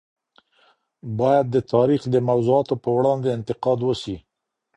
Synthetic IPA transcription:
bɑjad̪̚ːət̪ʰɑɾixd̪əmawzuɑt̪opəwɽɑnd̪eɪnt̪ɪqɑd̪wəʃi

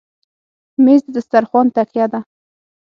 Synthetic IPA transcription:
mezd̪d̪əst̪aɾxwɑnt̪aqjad̪a

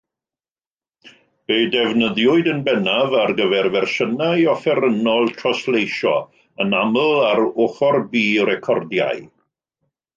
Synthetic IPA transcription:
b̥eːdɛvnəðjʊɨdənbɛnavarɡəvɛrvɛrʃənajɔfɛɾənɔlˠtʰrɔslˠejʃɔ | ənamlˠaɾoχɔrbiːrɛkʰɔ̰rdja̰j

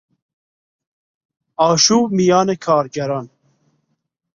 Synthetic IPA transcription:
ɑːʃuːmijɑːnekʰɑːɾɡɐɾɑːn

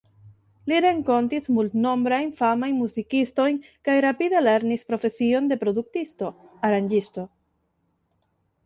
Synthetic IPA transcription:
liɾe̞ŋko̞ntismultno̞mbɾajnfamajnmuzikisto̞jnkajɾapidele̞ɾnispɾo̞fe̞sio̞nde̞pɾo̞d̪uk̚tisto̞aɾand͡ʒisto̞

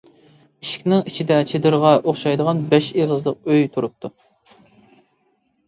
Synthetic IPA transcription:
iʃkʲnɪŋit͡ʃʰid̪ɛt͡ʃʰid̪ɨɾʁɑʔoχʃɑjd̪əʁɑnbɛʃeʁəzd̪ˠəq̚øjt̪ʰuɾup̚t̪ʰu

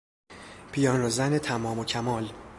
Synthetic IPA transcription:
pʰijɒːnɾɒzænet̪ʰæmɒːmocʰæmɒːl

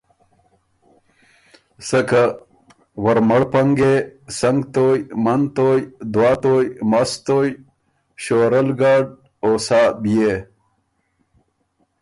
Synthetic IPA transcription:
səka | wɐɾmɐɽpɐŋɡesɐŋɡt̪oːjmɐnt̪oːjd̪waːt̪oːjmɐst̪oːj | ɕoːɾəlɡaːɖ | oːsaːbije

